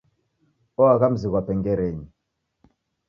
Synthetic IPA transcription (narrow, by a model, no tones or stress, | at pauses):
ɔakam̩zikwapɛŋɡɛɾɛɲi